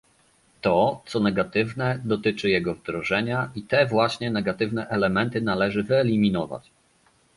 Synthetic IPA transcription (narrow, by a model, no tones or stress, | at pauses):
t̪ɔt̪sɔnɛɡat̪ɘvnɛd̪ɔt̪ɘt͡ʂɘjɛɡɔvd̪ɾɔʐɛɲait̪ɛvwaɕɲɛnɛɡat̪ɘvnɛʔɛlɛmɛnt̪ɘnalɛʐɘvɘɛlʲimʲinɔva̰t͡ɕ